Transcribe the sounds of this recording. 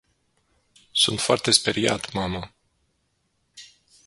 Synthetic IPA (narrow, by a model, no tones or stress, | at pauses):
sṵnt̪foart̪e̞speɾia̰t̪mamə